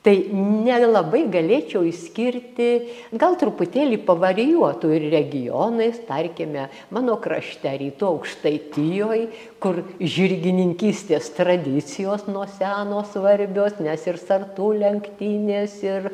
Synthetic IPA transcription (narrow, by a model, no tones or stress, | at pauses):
t̪ɐɪnʲɛlˠɐbɐɪɡɐlʲeːt͡ʃʲɛʊɪʃsʲkʲɪrʲt̪ʲɪ | ɡɐlˠt̪ɾʊpʊt̪ʲeːlʲiːpɐʋɐrʲɪjuɔt̪uːɪrrʲɛɡʲɪjoːnɐɪst̪ɐrʲkʲɪmʲɛ | mɑːnoːkrɐʃʲt̪ʲæɾʲiːt̪uɐʊkʃt̪ɐɪt̪ʲɪjoːj | kʊrʒʲɪɾʲɡʲɪnʲɪŋʲkʲiːsʲt̪ʲeːst̪rɐd̪ʲɪt͡sʲɪjoːsnuɔsʲæːnoːsʋɐrʲbʲoːsnʲɛsɪrsɐrt̪uːlʲɛŋkt̪ʲiːnʲeːsɪr